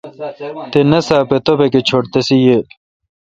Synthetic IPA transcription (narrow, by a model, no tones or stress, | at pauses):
t̪enɐsaːpet̪opeket͡ɕʰoɽt̪ɐsijel